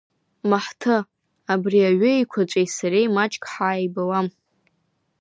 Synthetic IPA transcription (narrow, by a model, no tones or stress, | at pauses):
maħtʰɨ | abriaɥʏikʷʰat͡ʃʷʼejsaɾejmat͡ʃʼkʼħaːjbalam